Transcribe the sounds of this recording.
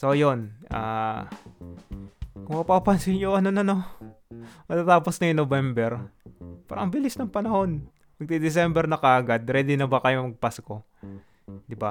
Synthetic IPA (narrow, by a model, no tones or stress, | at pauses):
so̞jonʔa̰ː | kʊŋmɐpapɐnsɪɲjoʔɐnonɐno | pɐɡ̚t̪at̪aːposnɐɪnobɛmbɛɾpaːɾɐʔɐŋbɪlɪsnɐŋpɐnɐho̞n | pɐɡ̚t̪ɪd̪ɪs̬ɛmbɛɾnɐkaʔaɡad̪ɾɛd̪ɪnɐbɐkɐjomɐɡ̚pasko̞ | d̪ɪba